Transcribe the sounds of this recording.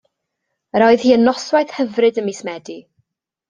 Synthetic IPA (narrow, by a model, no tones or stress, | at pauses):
əɾɔɨð̥hiːənːɔswajθhəvrɨdəmiːsmɛdi